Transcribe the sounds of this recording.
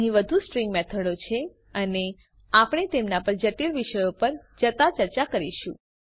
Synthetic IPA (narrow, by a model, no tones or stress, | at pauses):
ɦĩʋəd̪ʱusʈɾĩŋɡmɛt̪ʰəɽot͡ʃʰe | əne | apɽ̃et̪emnapəɾd͡ʒəʈilʋiʃəjopəɾd͡ʒət̪at͡ʃəɾt͡ʃakəɾiʃṵ̃